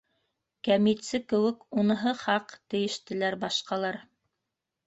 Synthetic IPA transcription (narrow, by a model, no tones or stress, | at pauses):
kæmit̪sɘkɘ̆wɘkunɤ̆ɦɤχɑqt̪ɘ̆jɘ̆ʃt̪ɘ̆læɾbɑʃqɑlˠɑɾ